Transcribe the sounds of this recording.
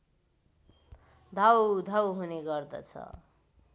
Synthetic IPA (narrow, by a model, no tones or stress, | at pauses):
d̪ʱawd̪ʱawɦuneɡʌrd̪ʌ̰t͡sʰʌ̰